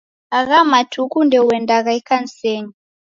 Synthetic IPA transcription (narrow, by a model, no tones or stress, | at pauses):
aɣamatʰukundɛuwɛndaɣaikansɛɲi